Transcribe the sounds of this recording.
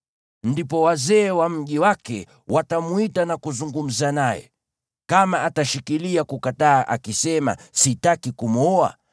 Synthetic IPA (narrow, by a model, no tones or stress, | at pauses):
ndipɔwazɛːwam̩ʄiwakɛ̰ | wʔatamwitanakuzuŋɡum̩zanajɛ̰ | kamaʔataʃikiliakukataːʔa̰kisɛma̰sitakikumɔa̰